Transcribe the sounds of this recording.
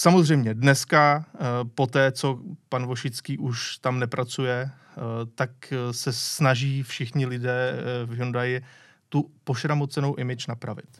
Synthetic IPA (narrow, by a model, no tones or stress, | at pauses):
samozrɛjmɲɛdnɛskapo̞t̪ɛːt͡so̞panvo̞ʃɪt͡skiːʔuʃt̪amnɛpɾʔat͡sujɛ | t̪aksɛsnaʒiːfʃɪxɲɪlɪdɛːvjondajɪ | t̪upo̞ʃɾamot͡sɛno̞wʔɪmɪt͡ʃnapɾavɪ̰t̪